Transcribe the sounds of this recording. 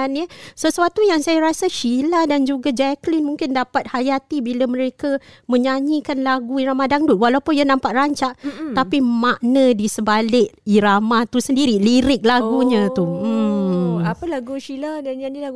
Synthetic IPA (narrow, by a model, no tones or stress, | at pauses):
nəsəsuat̪ujaŋsajaɾasaʃiladand͡ʒuɡad͡ʒɛklinmũŋkɪndapat̪̚hajat̪ibilamə̃ɾekamə̃ɲaɲikanlaɡuiɾamadaŋduwalaupʊnijanampaʔ̪̚raɲt͡ʃaʔt̪apimaʔnadisəbalɪʔ̚iɾamaht̪usəndiɾiliɾɪk̚laɡuɲãt̪um̩ | apalaɡuʃiladaɲanilaɡu